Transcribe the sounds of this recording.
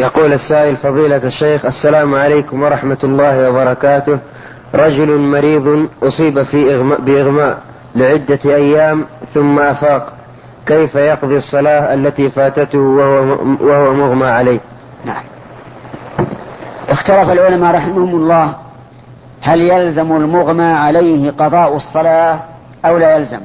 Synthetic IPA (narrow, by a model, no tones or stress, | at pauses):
jɑquːlasːaːʔɪlfɑðˤiːlaaʃːeːxʔasːalaːmʕaleːkʊmwɑɾˤɑħmat̪lˤːɑːhɪwɑbɑɾˤɑkaːt̪ʊh | ɾˤɑd͡ʒʊlmɑɾiːðˤʔʊsˤiːbafibɪʔɪɣmaːʔ | lɪʕɪd̪ːaʔajːaːmθʊmːaʔafaːq | kejfajɑqðˤiɑsˤːɑlɑːhʔalːat̪iːfaːt̪at̪h | wahwamʊɣmaʕalajh | naʕam | ʔɪxt̪alafalʕʊlamaɾˤɑħɪmahʊmlˤːɑːh | haljalzamalmʊɣmaʕalajhqɑðˤɑːʔwsˤːɑlɑː | ʔawlajalzam